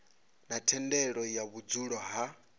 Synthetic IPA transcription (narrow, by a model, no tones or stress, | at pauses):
natʰɛndɛɺɔjaβud͡zuɺɔɦa